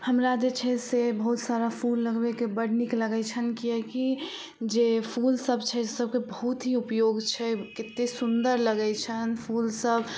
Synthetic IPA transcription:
həmɾad͡ʒet͡ʃʰɛsebəɦut̪saɾapʰulːəɡbekebəɽnikləɡɛt͡ʃʰənkijɛki | d͡ʒepʰulsəbt͡ʃʰɛsəb̚kebəɦut̪ɦiupjoɡt͡ʃʰɛkɪt̪ːesund̪əɾləɡɛt͡ʃʰənpʰulsəb

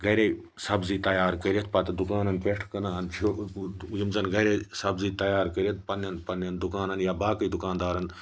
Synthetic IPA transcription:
ɡɐɾeː | sɐbziːt̪ɐjaːɾkəɾijɐt̪̚ʰpɐt̪d̪ʊkaːnɐnpeʈʰkɐnaːɦɐnt͡ʃʰojəmzɐnɡɐɾesɐbziːt̪ɐjaːɾkəɾiɐt̪̚pɐnɐnpɐnɐnd̪ʊkaːnɐnjaːbaːkəid̪ʊkãːnd̪aːɾɐn

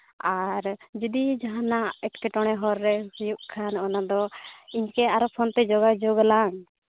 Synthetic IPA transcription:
aɾd͡ʒid̪id͡ʒaɦanaʔɛʈkɛʈɔɽ̃ɛɦɔɾːɛsijuʔkʰanɔnad̪ɔiɲkɛaɾɔpʰɔnt̪ɛd͡ʒɔɡad͡ʒɔɡalaŋ

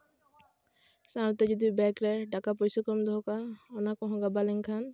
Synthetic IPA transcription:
sawt̪ɛd͡ʒɔd̪ibɛkɾɛɖakap̬ɔjsɔkɔmd̪ɔkaɔnakɔ̃ɦɔ̃ɡabalɛŋkʰan

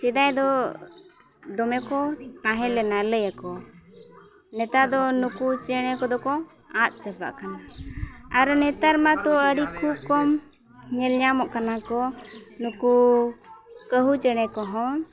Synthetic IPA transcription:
sɛd̪ajd̪ɔ | d̪ɔmɛkɔt̪ãɦɛ̃lɛnaləjakɔ | nɛt̪ad̪ɔnukut͡ʃɛɽ̃ɛkɔd̪ɔkɔ | at̪̚ˀt͡ʃəpa̰ʔkana | aɾnɛt̪aɾmat̪ɔəɽikʰub̚kɔm | ɲɛlɲamɔʔkanakɔnuku | kəɦut͡ʃɛɽ̃ɛkɔɦɔ̃

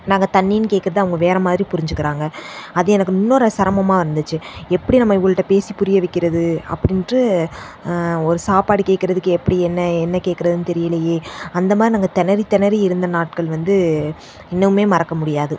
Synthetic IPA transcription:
naːŋɡɐt̪ɐnːijnɯkeːʈ̚kːɪɾɐðɯɐʋɐŋɡɐʋeːɾɐmaːðɪɾipʊɾɪɲd͡ʒɯkːɪɾaːŋɡɐɐðɯɛnɐkːɯɪnːoːɾɐsɐɾɐmɐmaːɪɾɯnd̪ɯt͡ʃːɯɛpːɐɽinɐmːɐɪʋːɐɭɯʈːɐpeːsipʊɾɪjɐʋɪkːɪɾɐðɯɐ̰pːɐɽɪndrɯ | ɔɾɯsaːpaːɽikeːʈkːɪɾɐðɯkːɯɛpːɐɽiɛnːɐɛnːɐkeːʈkːɪɾɐðɯnɯt̪ɛɾɪjɪlɐjeːɐnd̪ɐmaːðɾinaːŋɡɐt̪ɛnɐɾit̪ɐnɐɾiɪɾɯnd̪ɐnaːʈ̚kɐɭʋɐnd̪ɯ | ɪnːɐʋɯmeːmɐɾɐkːɐmʊɽɪjaːðɯ

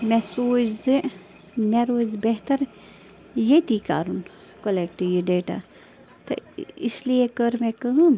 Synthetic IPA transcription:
mɛsoːzɨ | meɾoːzbeɦt̪ɐɾ | jet̪iːka̰ːɾun | kolekʈiʋiɖeːʈa̰ | t̪ɐ̰islijekəɾmɛkəɦum

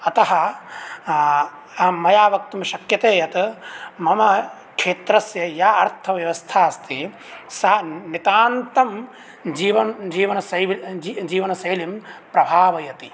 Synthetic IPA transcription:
ɐt̪ɐɦɐ | mɐjaːʋɐk̚t̪umʃɐkjɐt̪eːjɐt̪ɐmɐmɐ | kʂeːt̪ɾɐsjɐjaɐɾt̪ʰɐʋjɐʋɐst̪ʰaːɐst̪i | sanit̪aːnt̪ɐm | d͡ʒiːʋɐnd͡ʒiːʋɐnɐsɐjʋid͡ʒiːʋɐnɐsɐjlimpɾɐbʱaːʋɐjɐt̪i

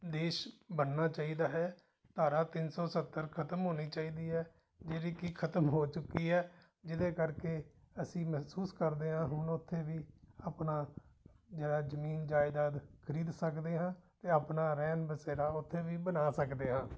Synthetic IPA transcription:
d̪eːʃbənːaːt͡ʃaːiːd̪aːɦɛː | t̪aːɾaːt̪ɪnsɔːsət̪ːəɾkʰət̪əmɦoːniːt͡ʃaːiːd̪iːɦɛː | d͡ʒeːɾiːkiːkʰət̪əmɦoːt͡ʃʊkːiːɦɛː | d͡ʒɪd̪eːkəɾkeː | əsĩːmɛɦsuːskəɾd̪eːɦãːɦʊnʊt̪ʰːeːʋiːaːpnaː | d͡ʒeːɽaːzəmiːnd͡ʒaːɪd̪aːd̪kʰəɾiːd̪səkd̪eːɦãːt̪eːaːpnaːɾɛːnbəseːɾaːʊt̪ʰːeːʋiːbənaːsəkd̪eːɦãː

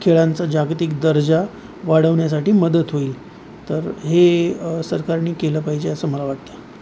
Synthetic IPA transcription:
kʰeɭant͡sad͡ʑaɡt̪ikd̪əɾd͡za | ʋaɽ̤əʋɳjas̬aʈiːməd̪ət̪ɦoiːl | t̪əɾɦesəɾkaɾniːkeləːpaɦid͡ʑeəsəməlaʋaɽt̪ə

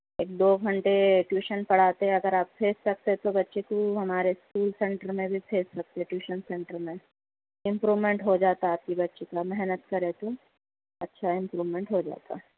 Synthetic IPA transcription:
eːk̚d̪oːɡʱɐ̃ɳʈeʈjuːʃənpɐɽ̤aːt̪eɦɛ̃ɐɡəɾaːppʰeːssɐk̚t̪eɛt̪obɐtːʃekoɦɐmaːɾeskuːlsɛ̃ɳʈəɾmẽbʱipʰeːssɐk̚t̪eɛʈjuːʃənsɛ̃ɳʈəɾmẽ | ɪ̃mpɾuːʋmẽɳʈɦod͡ʒaːt̪aaːp̚kibɐtːʃekamɛɦnət̪kɐɾẽt̪o | ɐtːʃʰaɪ̃mpɾuːʋmẽɳʈɦod͡ʒa̰ːt̪a̰ɦɛ

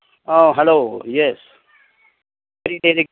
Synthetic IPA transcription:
oːɦɛloːjɛs | ʋɛɾiɖeːɾe

